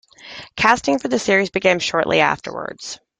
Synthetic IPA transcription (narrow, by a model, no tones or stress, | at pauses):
kʰæstɪ̃ŋfə˞ðɨsɪɹizbɨkʰæ̃mʃɔɹʔlḭæ̰ftʰə̰˞wə̰˞dz̥